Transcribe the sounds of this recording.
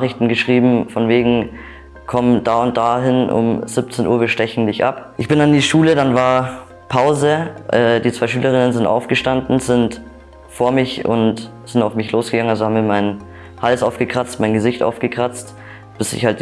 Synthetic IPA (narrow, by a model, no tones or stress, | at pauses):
χɪçtn̩ɡəʃʁ̥iːbm̩fɔnveːɡŋ̩ | kʰɔmdaːʊnt̚d̥aːɦɪnʔʊ̰mz̥ɪp̚t͡senʔuːɐviɐʃtɛçn̩dɪçʔa̰pʔɪçb̥ɪnandiːʃuːlədanvaːɐ | pʰaʊzəʔɛːdiːt͡sv̥aɪʃyːləʁ̞ɪnənzɪntʔa̰ʊfɡ̥əʃtandn̩z̥ɪnt | foːɐmɪçʊ̰nt | z̥ɪntaʊfmɪçloːsɡ̥əɡaŋənʔalzohabm̩viːɐmaɪn | halsʔaʊfɡ̥əkʁ̥at͡stmaɪnɡəzɪçtʔa̰ʊfɡ̥əkʁ̥at͡st | b̥ɪsɪ̰çhalt̚d